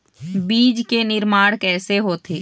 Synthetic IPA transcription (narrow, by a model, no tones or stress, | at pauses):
biːd͡ʒkenɪɾmaːɽ̃kɛːseɦoːt̪ʰeː